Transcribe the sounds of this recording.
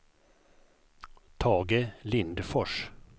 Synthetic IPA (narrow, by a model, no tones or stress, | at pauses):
t̪ʰɑːɡəlɪnd̪fɔʂ